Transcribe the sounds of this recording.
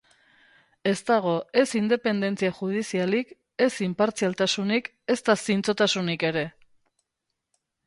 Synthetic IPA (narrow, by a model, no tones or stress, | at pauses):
e̞st̪aɣ̞o̞e̞sind̪e̞pe̞nd̪e̞nt͡siaʝuð̞isialik | e̞simpaɾt͡sialt̪asunik | e̞st̪asint͡so̞t̪asunike̞ɾe̞